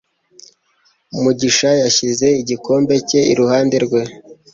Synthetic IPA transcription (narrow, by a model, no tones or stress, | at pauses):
umuɟiʃajaʃize̞iɟiko̞ːmbe̞ce̞iɾuhaːndeɾɡwe̞